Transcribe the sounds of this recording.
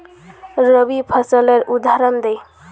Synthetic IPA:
ɾəbipʰʌsəleɾud̪ʱaɾɔnd̪ej

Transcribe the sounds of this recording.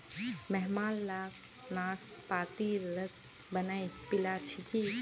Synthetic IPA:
mɛɦmaːlːaːk | naːspaːt̪iləs | bənajpilaːt͡ʃʰiki

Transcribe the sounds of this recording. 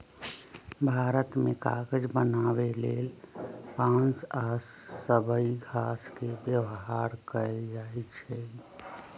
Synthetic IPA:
bʱaːɾət̪mẽka̰ːɡəd͡ʒbənaːweleːlpãnsaːsːəbəiɡʱaːskebjəwɦaːɾkəɛd͡ʒaːit͡ʃʰɛ

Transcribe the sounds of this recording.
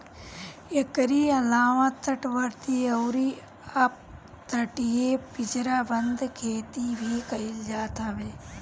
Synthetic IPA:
ekɾiɐlaːʋãt̪ʰːɐʈʋɐɾt̪iɐwɾi | ap̚ | t̪ʰɐʈijepɪd͡ʒɾaːbɐnd̪kʰeːt̪ibʱiːkɐɪld͡ʒaːt̪aːʋeː

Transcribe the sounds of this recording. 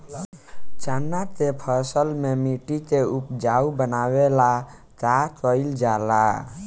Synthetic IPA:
t͡ʃanːat̪epʰəsəlmemiʈit̪eupd͡ʒaubənawela | takəɪld͡ʒala

